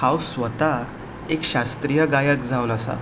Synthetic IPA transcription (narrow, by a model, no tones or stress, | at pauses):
hawsʋət̪a | ekɕast̪ɾijəɡajəkd͡zʱawləsa̰